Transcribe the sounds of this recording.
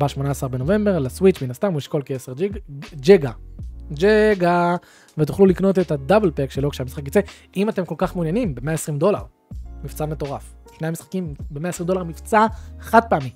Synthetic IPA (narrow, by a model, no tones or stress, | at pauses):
baʃmo̞naːsaʁbe̞no̞ve̞mbe̞ʁlaswit͡ʃminast̪amuiʃko̞lkeesed͡ʒd͡ʒeɡad͡ʒeɡa | vet̪̬uχlulikno̞t̪etadablpekʃe̞lo̞kʃeamisχakjit͡se̞ | imate̞mko̞lkaχmeunjanimbeme̞aesʁimd̪o̞laʁ | mift͡same̞t̪o̞ʁaf | ʃne̞jamisχḁkimbemeaesʁimdolaʁmift͡saχad̪̚peamim